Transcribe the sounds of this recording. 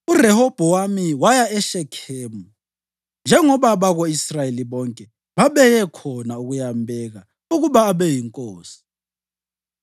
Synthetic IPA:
urɛhɔb̥ʱɔwamiwajaɛʃɛkʰɛːmu | nd͡ʒʱɛŋɔβaβaɣoisrajeliβɔŋkʼɛ | βaβɛjɛkʰɔnauɣujambʱɛɣa | uɣuβaːβɛjiŋkʼoːsi̥

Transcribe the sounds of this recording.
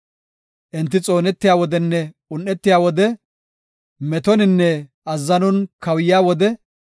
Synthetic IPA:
ʔɪnt̪ːɪt͡sʼo̞ːnɛt̪ːɪjaːwɔd̪ɛnːɛ | ʊnːɛt̪ːɪjaːwɔd̪ɛ | mɛt̪ɔnɪnːɛ | ɐzːɐnɔnkɐwjɪjaːwɔd̪ɛ

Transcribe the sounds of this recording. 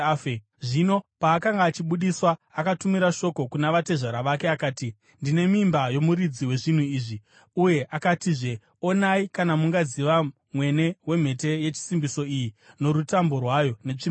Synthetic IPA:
fe | ʐino̞paːkaŋɡaːt͡ʃiɓuɗiswaːkatumiɾaʃo̞ko̞kunaʋate̞ʐaɾaʋake̞akaːti | ndine̞mimbajo̞muɾid͡ziwe̞ʐin̤uiːʐi | uje̞ʔakatiːʐe̞ | o̞naikanamuŋɡaziʋa | mwe̞ne̞we̞m̤e̞te̞je̞t͡ʃi̥simbiso̞ijino̞ɾutambo̞rwajo̞ne̞t͡ʂim

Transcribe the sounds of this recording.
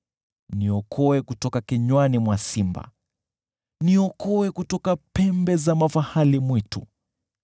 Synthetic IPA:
niɔkʰɔwɛkutɔkakiɲwanimwasimba̰ | niɔkɔwɛkutɔkapɛmbɛzamafahalimwitṵ

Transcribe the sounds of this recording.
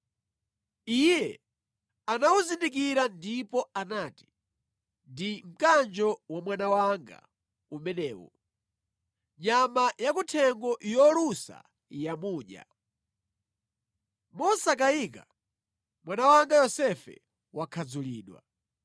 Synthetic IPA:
ijɛ | anawuzindikiɾandipɔanaːti̥ | ndim̩kand͡ʒɔwamwanawaŋɡa̰ | umɛnɛːwɔ̰ | ɲamajakutʰɛŋɡɔʔjɔlusa̰ | jamuːɲa̰ | mɔsakaika̰ | mwanawaŋɡajɔsɛfɛ̰ | wakʰad͡zuliːɗwa̰

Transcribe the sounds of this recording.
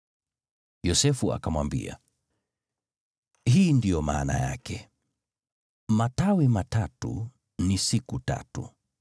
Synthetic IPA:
jɔsɛfua̰kamwambḭa̰ | hiːndijɔma̰ːna̰ja̰kɛ | matawimatatṵ | nisikuta̰tu

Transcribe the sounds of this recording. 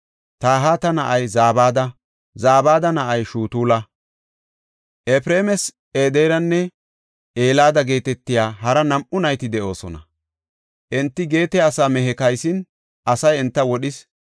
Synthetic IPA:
t̪aːɦaːt̪ɐnɐʔɐjzaːbaːd̪ɐ | zaːbaːd̪ɐnɐʔɐjʃuːt̪uːlɐ | ʔɛpɾeːmɛs | ʔeːd̪eːɾɐnːɛ | ʔeːlaːd̪ɐɡe̞ːt̪ɛt̪ːɪjaːɦɐɾɐnɐmʔʊnɐjt̪ɪd̪ɛʔo̞ːsɔ̰nɐ̰ | ʔɛnt̪ːɪɡe̞ːt̪ɛɐsaːmɛɦɛkɐjsɪn | ʔɐsɐjɛnt̪ːɐwɔɗɪs

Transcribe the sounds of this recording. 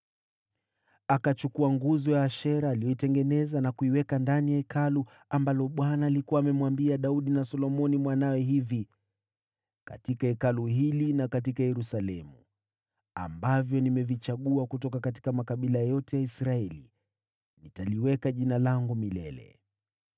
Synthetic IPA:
akat͡ʃukuaŋɡuzɔjaːʃɛɾaːlijɔitɛŋɡɛnɛzanakuiwɛkandanijaɛkʰalu | ambalɔɓwanaːlikuaːmɛmwambiaɗauɗinasɔlɔmɔnimwanawɛɦivi | ka̰tikaɛkaluɦilinakat̬ikajɛɾusalɛmu | a̰mbavjɔnimɛvit͡ʃaɠuakutɔkakat̬i̥kamakaɓilajɔtɛjaisɾaɛlḭ | nitaliwɛkaʄinalaŋɡumilɛ̰lɛ̰

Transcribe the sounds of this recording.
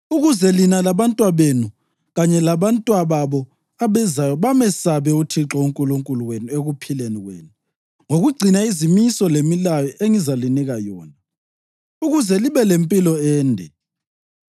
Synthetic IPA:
uɣuzɛlinalaβantʼwaβenu | ɣaɲɛlaβantʼwaβaβɔ | aβɛzajɔβamɛsaβɛutʰiǁɔuŋkʼuluŋkʼuluwenueɣupʰileniɣwḛːnu | ŋoɣuɡ͡ǀʱinaizimisɔlemilajɔʔeŋizaliniɣajɔːna | uɣuzɛliβɛlempʼilɔɛːndʱɛ̰

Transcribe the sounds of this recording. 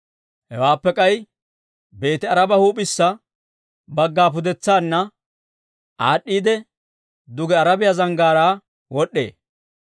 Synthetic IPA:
hɛwaːpːɛkʼɐj | be̞ːt̪ɪɐɾɐbɐhuːpʼɪsːɐ | bɐɡːaːp̬ʊd̪ɛt͡sːaːnːɐ | ʔaːɗːiːd̪ɛ | d̪ʊɡɛɐɾɐbɪjɐzɐŋɡaːɾaː | wɔɗːe̞̰ː

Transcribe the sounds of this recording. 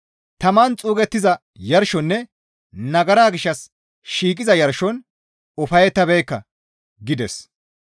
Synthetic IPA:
t̪ɐmaːnt͡sʼuːɡɛt̪ːɪzɐ | jɐɾʃɔnːɛ | nɐɡɐɾaːɡɪʃːɐs | ʃiːkʼɪzɐjɐɾʃɔn | ɔfɐjɛt̪ːɐbɛjkːɐ | ɡɪd̪ɛs

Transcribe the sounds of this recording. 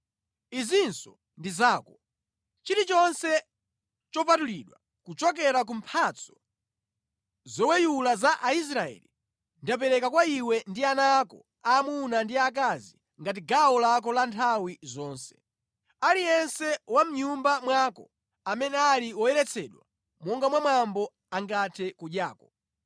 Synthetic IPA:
izinsɔ | ndizaːkɔ | t͡ʃiɾit͡ʃɔnsɛ | t͡ʃɔpatuliːɗwa̰ | kut͡ʃɔk̬ɛɾak̬um̩pʰat͡sʰɔ̥ | zɔwɛjulazaʔais̬ɾaɛ̰ːli | ndap̬ɛɾɛkakwaiwɛndianaːkɔ̰ | aːmunandiak̬azi | ŋɡat̬iɡaɔlak̬ɔlantʰawizɔːnsɛ̥ | alijɛnsɛwam̩ɲumbamwaːkɔ | amɛnɛaliwɔjɛɾɛt͡sʰɛɗwa | mɔŋɡamwamambɔ | aŋɡatʰɛkuɗaːkɔ

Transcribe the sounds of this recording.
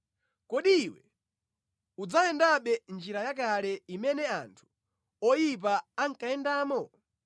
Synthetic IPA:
kɔɗiwɛ̰ | ud͡zaɛndaɓɛnd͡ʒiɾajakalɛimɛnɛantʰu̥ | ɔjip̬aaŋkaɛndaːmɔ

